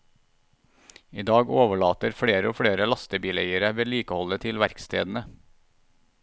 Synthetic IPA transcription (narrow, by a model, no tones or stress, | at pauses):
iːd̪ɑːɡoːʋəɭɑːt̪əɾfɽeːɾəoːfɽeːɾəlɑst̪əbiːleɪəɾəʋeːliːkəhɔlət̪ʰɪlʋæɾkst̪ʰḛːd̪n̩ə